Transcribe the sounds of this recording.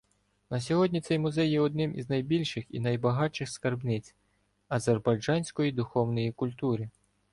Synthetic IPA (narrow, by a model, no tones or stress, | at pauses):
nɐsʲɔɦɔdʲnʲit̪sɛjmʊzɛjjɛɔd̪nɪmḭznɐjbʲilʲʃɪxḭnɐjbɐɦɑt͡ʃɪxskɐrbnɪt͡sʲ | ɐzerbɐjd͡ʒɑnʲsʲkɔjid̪ʊxɔwnɔjikʊlʲt̪uɾʲi